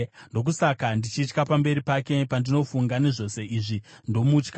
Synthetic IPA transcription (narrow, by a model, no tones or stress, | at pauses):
ndo̞k̬usakandit͡ʃiːt͡ʃkapambe̞ɾipake̞pandino̞fuŋɡaneʐo̞se̞ʔiːʐindo̞mut͡ʃka